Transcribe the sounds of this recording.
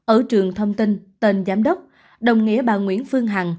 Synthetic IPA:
ʔəː˧˩t͡ɕɨ˨˩əŋt̪ʰə˧wŋ͡mt̪i˧nt̪e˧nzaː˨˦mɗə˦˥wk͡p̚ | ɗə˨˩wŋ͡mŋḭ˧˥əɓaː˧˨˩ŋwḭ˧˥ənfɨ˧əŋɦa˨˩ŋ

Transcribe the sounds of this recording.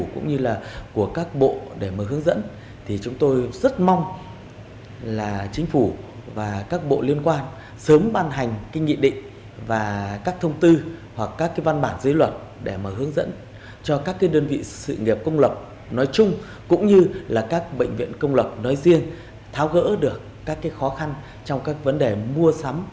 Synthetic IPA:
kʊ̰˧˥ŋ͡mɲɨ˧laː˨˩ku˧˩əkaː˦˥k̚ɓo̰˧˨ɗe˧˩maː˨˩ɦɨ˨˦əŋzə̰˧˥n | t̪ʰi˨˩t͡ɕʊ˨˦ŋ͡mt̪o˧jzə˦˥t̚ma˧wŋ͡m | laː˨˩t͡ɕï˨˦ŋ̟fu˧˩vaː˨˩kaː˦˥k̚ɓo̰˧˨li˧ənkwaː˧n | səː˨˦mɓaː˧nɦa˨˩ŋ̟kï˧ŋ̟ŋḭ˧˨ɗḭ̈˧˨ŋ̟ | vaː˨˩kaː˦˥k̚t̪ʰə˧wŋ͡mt̪ɨ˧hwa˨˩kːaː˦˥kːaː˨˦jva˧nɓaː˧˩nzə˨˦jlwə˨˩t̚ | ɗe˧˩maː˨˩hɨ˨˦əŋzə̰˧˥n | t͡ɕɔ˧kaː˦˥kːaː˨˦jɗəː˧nvḭ˧˨sɨ̰˧˨ŋi˨˩əp̚kə˧wŋ͡mlə˨˩p̚ | nɔ˨˦jt͡ɕʊ˧ŋ͡m | kʊ̰˧˥ŋ͡mɲɨ˧laː˨˩kaː˦˥k̚ɓə̰˧˨ŋ̟vḭ˧˨ənkə˧wŋ͡mlə˨˩p̚nɔ˨˦jzi˧ən | t̪ʰaː˨˦wɣə̰ː˧˥ɗɨ˨˩əkːaː˦˥kːaː˨˦jxɔ˨˦xa˧n | t͡ɕɔ˧wŋ͡mkaː˦˥k̚və˨˦nɗe˨˩mu˧əsa˨˦m

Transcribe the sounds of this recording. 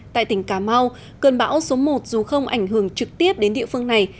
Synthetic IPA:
t̪a̰ː˧˨t̪ï˧˩ŋ̟kaː˧˩ma˧w | kɨ˨˩nɓa̰ː˧˥wso˨˦mo˨˩t̚zu˨˩xə˧wŋ͡mʔa˧˩jŋ̟ɦɨ˧˩ə˩ŋt͡ɕɨ˨˩k̚t̪i˦˥əp̚ɗe˨˦nɗḭ˧˨əfɨ˧əŋna˨˩j

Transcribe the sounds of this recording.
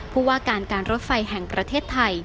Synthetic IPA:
pʰuː˥˩waː˥˩kaː˧nkaː˧nɾo˦˥t̪̚fa˧jɦɛ˨˩ŋpɾa˧t̪ʰeː˥˩t̪ʰːa˧j

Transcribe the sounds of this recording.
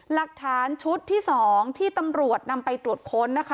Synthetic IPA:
la˨˩k̚t̪ʰaː˩˦nt͡ɕʰu˦˥t̪ʰːiː˥˩sɔː˩˦ŋt̪ʰiː˥˩t̪a˧mɾu˨˩ət̪̚na˧mpa˧jt̪ɾu˨˩ət̪̚kʰo˦˥nːa˦˥kʰa˦˥

